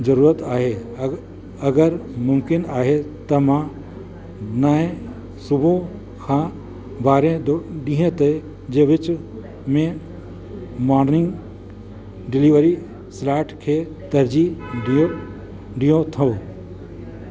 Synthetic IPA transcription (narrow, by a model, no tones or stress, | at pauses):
d͡ʒəɾuːɾət̪aːɦe | əɡəɾmʊmkɪnaːɦet̪əmã | naẽ | sʊbʱõ | kʰã | baːɾẽɖiɦẽt̪ə | d͡ʒeʋɪt͡ʃ | mẽ | mɔːɾnɪ̃ŋɡ | ɖɪliʋəɾi | slaːʈkʰe | t̪əɾd͡ʒiõ | ɖijõt̪ʰə̃